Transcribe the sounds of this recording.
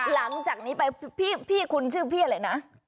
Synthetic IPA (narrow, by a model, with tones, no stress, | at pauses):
la˩˦ŋt͡ɕaː˨˩k̚niː˦˥pa˧jpʰiː˥˩pʰiː˥˩kʰu˧nt͡ɕʰɯː˥˩pʰiː˥˩a˧laː˧jna˦˥